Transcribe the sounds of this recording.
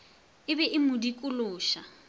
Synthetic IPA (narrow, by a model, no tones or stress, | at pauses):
ɪbɛʔɪmʊdikʼʊlʊːʃa